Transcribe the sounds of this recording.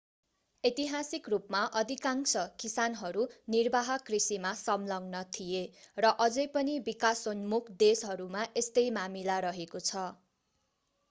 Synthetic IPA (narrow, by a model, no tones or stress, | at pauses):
et̪iɦasikrupmaʔʌd̪ʱikaŋsʌkisanɦʌɾunirbʱaɦʌkrisimasʌmlʌŋnʌt̪ʰijerʌʔʌd͡zʌjpʌnibikasonmukʰd̪esɦʌɾumaʔest̪ʌjmamilaɾʌɦekot͡sʰʌ